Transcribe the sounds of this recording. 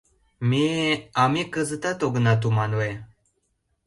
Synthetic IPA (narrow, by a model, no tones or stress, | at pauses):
miamikəzət̪at̪oɡənat̪̬umanwe